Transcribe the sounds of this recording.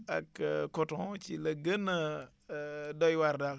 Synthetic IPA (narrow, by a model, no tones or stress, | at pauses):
a̰kkotõt͡ʃiləɡəna | dojwaɾdak